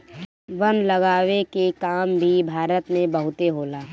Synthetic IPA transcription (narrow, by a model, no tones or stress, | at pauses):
ʋɐnlɐɡaːʋekekaːmbʱibʱaːɾət̪mẽbəɦʊt̪eɦoːlaː